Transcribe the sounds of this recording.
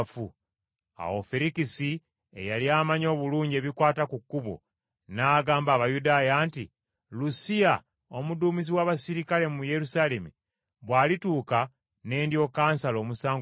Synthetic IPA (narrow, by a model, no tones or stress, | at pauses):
fu | a̰wofeɾikisi | ḛjaliaːmaɲo̞ːβuluːɲɟe̞ːβikwaːtakukːuβo̰ | naːɡaːmbaːβajudaːjaːnti | lusija | omuduːmiziwaːβasiɾikale̞mumuje̞ɾusaːle̞mṵ | βwaːlituːka | ne̞ːndjo̞kaːnsalo̞ːmusaːŋɡ